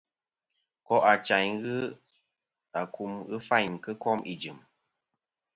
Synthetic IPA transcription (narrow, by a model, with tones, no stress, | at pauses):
kɔ˦ʔa˨t͡ʃa˨ɲɣɨ˦ | a˨kʰu˦mɣɨ˦fa˦˨ɲ˨kɨ˦kɔ˦mʔi˨d͡ʒɨ˨m